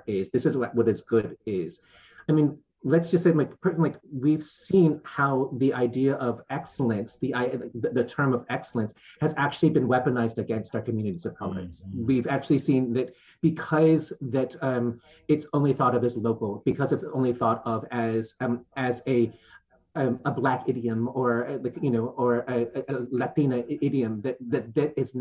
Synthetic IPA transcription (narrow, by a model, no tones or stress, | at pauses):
ɪzðɪsɨzwʌɾɨzɡʊɾɪz̥ | aɪmĩn | lɨtsd̥ʒ̥ʌstseɪlaɪkpʰlaɪkwiv̥sĩnhaʊðiʔaɪdiɨʔʌvɛksl̩ˠɨ̃nsðiʔaɪðɨðɨtʰɜ̃˞mʌvɛksl̩ˠə̃nshɨzæk̚t͡ʃʉl̩ˠibɨ̃nwɛpɨnaɪzdɨɡɛ̃nstə˞kʰmjʉnɨɾizʌv̥pʰɹ̥ɑ̰bɹɨ̰swivæk̚t͡ʃʉl̩ˠisĩnðɨt̚ | b̥ɨkʰʌzðɨɾʌ̃m | ɨtsõʊ̃nliθɔɾʌvɨzloʊkl̩ˠb̥ɨkʰʌzɨtsõʊ̃nliθɔɾʌvɨz̥ɨzɨ | əblækɪɾiɨ̃mə˞jɨnoʊʔə˞ɨɨɨlæθĩnɨɪɾiɨ̃mðɨt̪̚ðɨt̪̚ðɨɾɨz